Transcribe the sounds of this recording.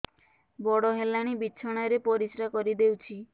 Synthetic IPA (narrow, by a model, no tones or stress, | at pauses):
bɔɽɔɦelaɽ̃ibiːt͡ʃʰɔɽ̃ajɾepɔɾisɾakɔɾid̪ewt͡ʃʰi